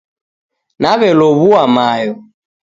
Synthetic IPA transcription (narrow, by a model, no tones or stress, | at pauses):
naβɛlɔβuamajɔ